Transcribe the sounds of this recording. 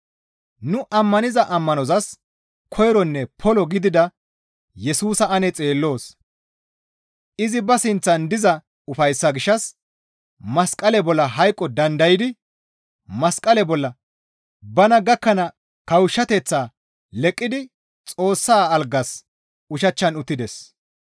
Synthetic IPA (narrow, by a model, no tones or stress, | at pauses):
nʊʔɐmːɐnɪzɐʔɐmːɐnɔzɐs | kʰɔjɾɔnːɛpʰɔlɔɡɪd̪ɪd̪ɐ | jɛsuːsɐɐnɛt͡sʼe̞ːlːo̞ːs | ʔɪzɪbɐsɪnt͡sːɐnd̪ɪzɐ | ʊfɐjsːɐɡɪʃːɐs | mɐskʼɐlɛbɔlːɐɦɐjkʼːɔd̪ɐnd̪ɐjɪd̪ɪ | mɐskʼɐlɛbɔlːɐ | bɐnɐɡɐkːɐnɐ | kɐwʊʃːɐt̪ɛt͡sːaː | lɛkʼːɪd̪ɪ | t͡sʼo̞ːsːaːlɡɐs | ʊʃɐt͡ʃːɐnʊt̪ːɪd̪ɛs